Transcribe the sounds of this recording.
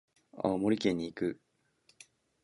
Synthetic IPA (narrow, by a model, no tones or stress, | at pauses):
a̰mo̞ɾʲikẽ̞ɲ̟ːiːkɯ̟